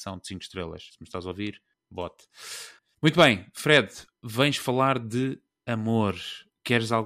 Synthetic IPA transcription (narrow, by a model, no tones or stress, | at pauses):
sɐ̃w̃d̪sĩŋkʃt̪ɾelˠɐ̰ʃsmɨʃt̪azoviɾ | bɔt̪ | mũj̃t̪βɐ̃j̃fɾɛð | vɐ̃j̃ʃfɐlˠaɾðɨ | ɐmoɾ | kɛɾzalˠ